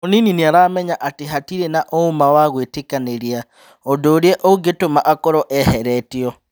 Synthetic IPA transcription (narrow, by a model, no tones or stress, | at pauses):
onininiaɾaːmɛɲaʔateɦatiɾenaʔoumawaɣwetekaneɾia | odoːɾieʔoɡetomaʔakɔɾɔʔɛhɛɾɛtiɔ